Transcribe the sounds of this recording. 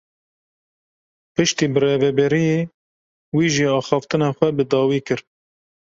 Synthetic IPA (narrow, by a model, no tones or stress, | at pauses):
pɨʃt̪iːbɨreːvɛbɛɾijeː | wiːʒiːɑːxɑːft̪ɨnɑːxʷɛbɨd̪ɑːwiːkɨɾ